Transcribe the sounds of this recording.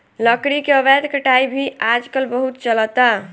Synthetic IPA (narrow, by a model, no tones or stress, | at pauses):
ləkɽikeəbɛd̪kəʈaibʱiʔad͡ʒkəlbəɦut̪t͡ʃələt̪a